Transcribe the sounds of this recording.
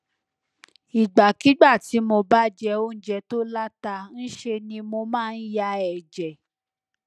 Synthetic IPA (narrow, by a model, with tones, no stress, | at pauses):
i˨ɡ͡ba˨ki˨˦ɡ͡ba˦˨ti˨˦mo˧ba˦d͡ʒɛ˧o˦n̩˦d͡ʒɛ˧˨to˦la˦ta˧n̩˦ʃe˧nĩ˧mo˧mãː˦˧n̩˦ja˧ɛ˨d͡ʒɛ˨